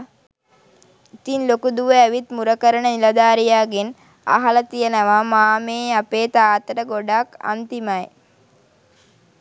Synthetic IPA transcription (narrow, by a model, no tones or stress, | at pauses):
it̪inlokud̪uʋəæʋit̪muɾəkəɾənənilad̪aːɾijaːɡen | a̰ɦalət̪ijənəʋamaːmeːapeːt̪aːt̪əɾəɡoɖaka̰nt̪imaj